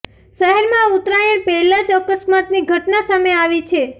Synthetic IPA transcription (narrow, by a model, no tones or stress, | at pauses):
ʃəɦɛɾmãut̪ɾajəɳpɛɦlad͡ʒəkəsmat̪niɡʱəʈnasameaʋit͡ʃʰe